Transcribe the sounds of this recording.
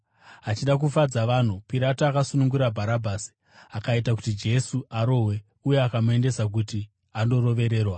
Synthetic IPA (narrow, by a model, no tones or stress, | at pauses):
ɦat͡ʃiɗak̬ufad͡zaʋan̤upiɾatoakasunuŋɡuɾabʱaɾabʱaːsi̥ | akaitak̬utid͡ʒe̞suʔaɾo̞ɦwe̞ | uje̞akamue̞nde̞sak̬uti | ando̞ɾo̞ʋe̞ɾe̞ːrwa